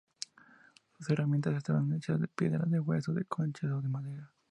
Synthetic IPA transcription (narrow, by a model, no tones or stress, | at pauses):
suseramje̞nt̪asest̪aβanet͡ʃazd̪epjḛðɾaðewesoðekʰont͡ʃaðoðemaðeɾa